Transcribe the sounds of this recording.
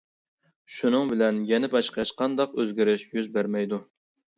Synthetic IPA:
ʃunɨŋbɪlɛnjɛnɪbɑʃqɑʃqʰɑnd̪ɑqøzɡʲiɾɪʃjyzbæɾmɛjd̪u

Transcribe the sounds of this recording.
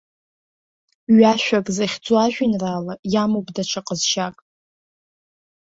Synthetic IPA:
ɥaʃᶣʷakʼzaχʲd͡zʼwaʒᶣʷinraːlajamobʼdat͡ʃʷʰaqʼəzʃakʼ

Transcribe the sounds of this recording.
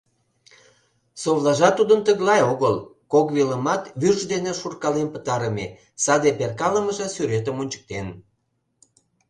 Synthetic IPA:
soβlɑʒɑt̪ud̪ənt̪əɣlɑjoɣəlkoɣβiləmɑt̪βyrʒd̪eneʃurkɑlenpə̥t̪ɑɾəme | sɑd̪eperkɑləməʒɑsyɾet̪əmonʲt͡ɕə̥k̚t̪en

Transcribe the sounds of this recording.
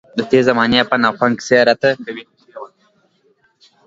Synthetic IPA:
d̪ət̪ezamɑnjapanaxwaŋɡseɾat̪a

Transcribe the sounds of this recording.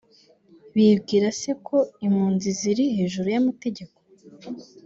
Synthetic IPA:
βibɡiːɾase̞kʰo̞imhuːnziziɾihe̞ːʒuɾujamate̞ɟe̞ko̞

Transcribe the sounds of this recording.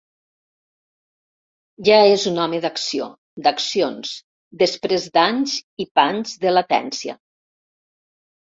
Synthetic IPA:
ʒaezunɔmeðaksio̰ | d̪əksions | d̪əspɾezd̪aɲzipanzðəlat̪ɛ̰nsiə̰

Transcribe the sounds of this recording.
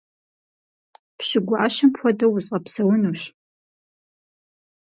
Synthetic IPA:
pɕɪɡʷʊʔaɕɪmpʰʷɔdɐwʊzɕʼʁɐpsɐwʊnuːɕ

